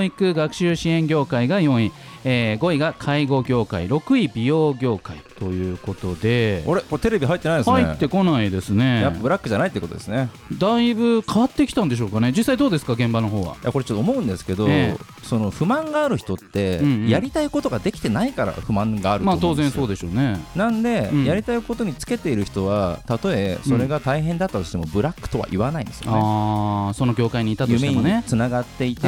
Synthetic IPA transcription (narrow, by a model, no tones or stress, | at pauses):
ikɯ̟ɡakɯ̟̥ɕɨːɕiẽ̞ŋɡʲo̞ːkaiɡajõ̞ɰ̃ĩ | eːɡo̞iɡakʰaiɡo̞ɡʲo̞ːkaḭɾo̞kɯ̟ibʲio̞ːɡʲo̞ːkait̪o̞jɯ̟ːko̞t̪o̞d̪e̞koɾekot̪e̞ɾe̞bʲiɦait̪ːenaid̪eshaiet̪ːe̞ko̞naid̪e̞sɨne̞japːabɯ̟ɾakːɯ̟ʑanait̪ːeːeko̞t̪od̪esɨne | d̪aibɯ̟kʰaβat̪ːe̞kʲi̥t̪ãnd̪e̞ɕ̬o̞ːkane̞d͡ʑisːaid̪oːd̪esɨ̥kaɡẽ̞mbano̞ɦo̞ːβa̰ja̰ko̞ɾe̞t͡ɕot̪ːoːmo̞ɯ̟̃nd̪esɨ̥ke̞d̪oe | so̞no̞ɸɯ̟mãŋɡaːɾɯ̟çi̥t̪o̞t̪ːe̞jaɾʲit̪aiko̞t̪o̞ɡad̪e̞kʲi̥t̪e̞naikaɾa̰ɸɯ̟mãŋɡaːɾɯtmaːmt̪oːzẽsoːd̪e̞ɕo̞ːnenãnd̪e̞jaɾʲit̪aiko̞t̪o̞ɲ̟it͡sɨ̥ke̞t̪e̞iɾɯ̟çi̥t̪o̞βat̪at̪o̞e̞so̞ɾe̞ɡat̪aiɦẽ̞nd̪at̪ːat̪o̞ɕi̥t̪emobɯ̟ɾakːɯ̟̥t̪o̞βa̰ʔiβanaḭ̃nd̪sɨjo̰a̰nː | so̞no̞ɡʲo̞ːkaiɲ̟iːt̪atjɯimeeɲmoniet͡sɨnaɡat̪ːe̞it̪e